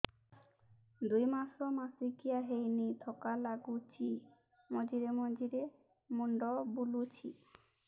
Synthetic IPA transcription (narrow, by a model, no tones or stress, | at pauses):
d̪ujmasɔmasikijaɦejnit̪ʰɔkalaɡut͡ʃʰi | mɔd͡ʒiɾemɔd͡ʒiɾe | muɳɖɔbulut͡ʃʰi